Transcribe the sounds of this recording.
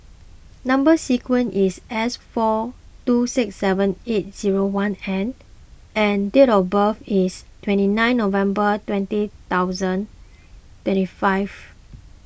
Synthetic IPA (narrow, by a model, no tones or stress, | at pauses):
nãmbəsikʰwə̃nʔisɛsfɔ | tusiksːɛvə̃net̚z̥iɹowãnɛ̃n | ɛ̃ndetɔfbəfistʰwɛ̃ntinãɪ̃nːovɛ̃mbətwɛ̃ntit̪aʊzə̃n | twɛ̃ntifaɪv